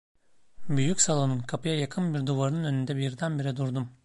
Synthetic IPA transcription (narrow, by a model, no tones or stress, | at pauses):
byjycsalˠonɯnkʰapʰɯjajakʰɯnbiɾd̪uvaɾɯnɯnø̞nynd̪ɛbiɾd̪ænbiɾid̪uɾd̪um